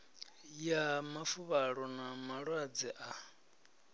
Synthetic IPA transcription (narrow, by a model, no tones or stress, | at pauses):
jamafuβaɺɔnamaɺwad͡zɛʔa